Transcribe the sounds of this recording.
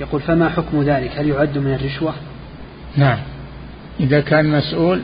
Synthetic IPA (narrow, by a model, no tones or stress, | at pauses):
jɑquːlfamaħʊkmðaːlɪkhaljʊʕad̪ːmɪnarːɪʃwa | naʕam | ʔɪðakʰaːnmasʔuːl